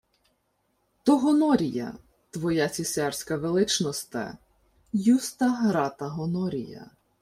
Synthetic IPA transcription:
t̪ɔɦɔnɔɾʲijɐ̰ | t̪ʋɔjat͡sʲisʲɛrsʲkɐʋelˠɪt͡ʃnɔst̪ɛ̰ | just̪ɐɦɾɑt̪ɐɦɔnɔɾʲḭjɐ̰

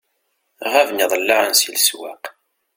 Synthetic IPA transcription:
ʁævniðˤlːɑɾˤənsilswa̰q

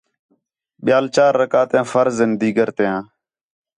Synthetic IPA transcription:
ɓɪjaːlt͡ʃaːɾːəkaːt̪jãːfəɾzɪnd̪iːɡəɾt̪ejãː

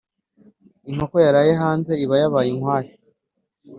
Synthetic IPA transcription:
iŋ̥hokojaɾajeɦaːnze̞iβajaβajiŋhwaːɾi

